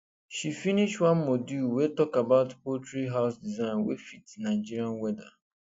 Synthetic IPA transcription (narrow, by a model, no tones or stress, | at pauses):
ʃifiniʃtwãnmoduwetɔkabaʊtpotɹiɦaʊsdizãɪ̃nwḛfitnaɪd͡ʒiɾiãnwɛda